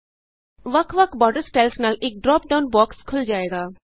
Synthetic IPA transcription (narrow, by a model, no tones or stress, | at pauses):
ʋɐkʰʋəkʰbɔːɖəɾsʈɛlfnəlek̚ɖɾɔːp̚ɖaʊnbɔːkskʰʊld͡ʒaːeːɡaː